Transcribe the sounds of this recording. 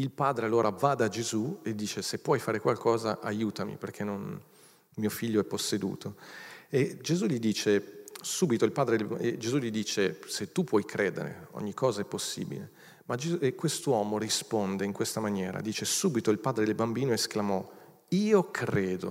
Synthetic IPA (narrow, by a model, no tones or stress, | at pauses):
ilpaːd̪ɾealːoːɾʔavad̪ad͡ʒezued̪ːiːt͡ʃesepːwɔjfaːɾekwalkʰɔːzaʔajuːt̪amḭperk̟ʰenːon | miofiʎːoɛpːosːed̪ṵːt̪ʰoed͡ʒezuʎid̪iːt͡ʃesuːbit̪oilpaːd̪ɾed̪ed͡ʒezuʎid̪iːt͡ʃeset̪ːupwɔjkɾeːd̪ḛɾḛo̰ɲːikʰːɔːzaɛpːosːḭːbḭle | mad͡ʒezuekːwest̪owɔːmorispond̪eiŋkwest̪amanjɛːɾa̰d̪iːt͡ʃesuːbit̪oilpaːd̪ɾed̪elbambiːnoesklamɔ | iːokʰɾeːd̪o̰